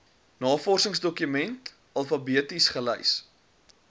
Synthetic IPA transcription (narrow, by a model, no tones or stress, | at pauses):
nɑːfɔrsəŋsdɔkymɛnt | ɐlˠfɐbiətisχəlɛjs